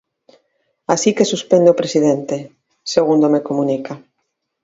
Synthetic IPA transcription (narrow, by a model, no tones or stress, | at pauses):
asikesuspend̪opɾesiðent̪e | seɣund̪omekomũnikʰa